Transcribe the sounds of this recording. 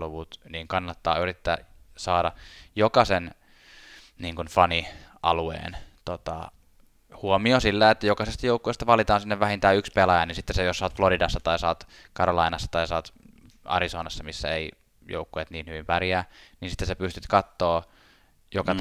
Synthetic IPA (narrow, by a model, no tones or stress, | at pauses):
luʋut̪niːŋkɑnːɑt̪ːɑ̰ːyrit̪ːæ̰ːsɑːdɑjokɑsen | niːŋkunfɑniɑ̰luḛːnt̪ot̪ɑ̰ | huomiosilːæet̪ːæjokɑsest̪ɑjoukːuest̪ɑʋɑlit̪ɑːnsinːeʋʋæhint̪æːykspelɑjɑninsit̪ːesejossɑːt̪floɾidɑsːɑt̪ɑisɑːt̪ | kɑɾɑlɑinɑsːɑ̥t̪ɑisɑːt̪ | ɑ̰ɾisoːnɑsːɑmisːæ̰ḛi | jo̰ukːujet̪niːnhyʋimpærjæːninsi̥t̪ːesepyst̪yt̪kɑt̪ːoː | jokɑ